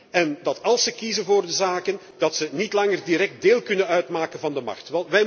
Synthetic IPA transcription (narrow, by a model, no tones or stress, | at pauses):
ɛndɑtɑlˠsəkizənvoːrdəzaːkən | d̥ɑtsənitlɑŋərdiɾɛk̚t̚deːlˠkɵnənœɥtmaːkənvɑndəmɑ̰χtʋɛlˠʋɛj